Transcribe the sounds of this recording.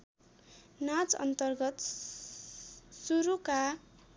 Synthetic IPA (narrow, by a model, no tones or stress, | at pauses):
nat͡sʌ̰nt̪ʌrɡʌt̪ | suɾuka